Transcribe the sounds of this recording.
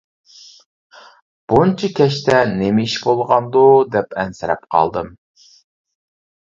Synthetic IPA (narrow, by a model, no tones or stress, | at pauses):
b̥unt͡ʃʰikʲʰɛʃt̪ɛnemɪiʃbolˠʁɑnd̪ud̪ɛpɛnsɪɾɛ̰pqʰɑ̰lˠd̪ɨm